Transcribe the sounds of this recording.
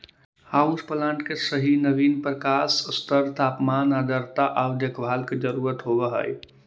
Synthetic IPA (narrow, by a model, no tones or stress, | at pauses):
haːʊspəlãːɳʈkesəɦinəʋiːnpɾəkaːsst̪əɾt̪ʰaːpmaːnaːd̪əɾt̪aʔəwd̪ekʰbʱaːlked͡ʒəɾuːɾət̪ɦobəɦə̰j